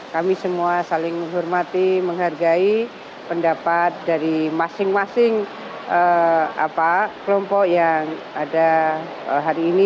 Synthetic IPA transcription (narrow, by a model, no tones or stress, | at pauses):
kamisəmuasalɪŋməŋɦɔrmat̪iməŋɦarɡai | pəndapat̪̚daɾimasɪŋmasɪŋ | ʔəa̰pakəlɔmpɔkjaŋ | ada | əɦaɾiːni